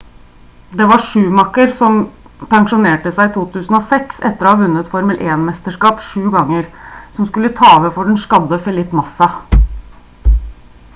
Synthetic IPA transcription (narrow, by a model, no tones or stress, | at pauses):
d̪ɛʋɑʂʉːmɑkːəɾsɔm | pæŋʂʊneːʈəsæɪt̪ʰuːt̪ʰʉːsn̩ɔsɛksɛt̪ːəɾɔhɑʋʉnːət̪fɔɾməlʔeːnmɛst̪əʂkɑːpʂʉːɡɑŋːəɾsɔmskʉlːət̪ʰɑːɔʋəfɔɖɛnʂkɑd̪əfɛlɪt̪ːmɑsɑ